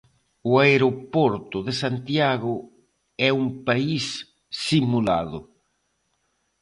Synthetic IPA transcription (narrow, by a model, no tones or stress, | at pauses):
ʊaeɾopɔɾt̪ʊðesant̪jaɣʊ | ɛumpaisː | imula̰ðʊ̰